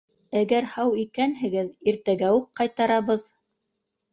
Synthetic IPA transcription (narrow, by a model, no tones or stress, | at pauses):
æɡæɾhɑwikænɦɘ̆ɡɘðiɾt̪æɡæuqqɑjt̪ɑɾɑβɤð